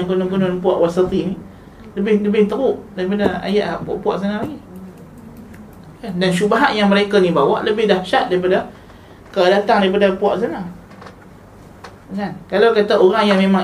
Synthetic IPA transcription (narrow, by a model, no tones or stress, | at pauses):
ŋkunʊŋkunʊnpuaʔwasat̪ini | ləbɪhləbɪht̪əɾuʔdaɾipadaa̰jaʔaʔpua̰ʔpuaʔs̬analaɡi | kandanʃubaɦaʔjaŋməɾekanibawa̰ʔləbɪhdahʃat̪̚daɾipada | kədat̪aŋdaɾip̬adapuaʔs̬ana | kankalawkat̪aoɾaŋjaŋmemaŋ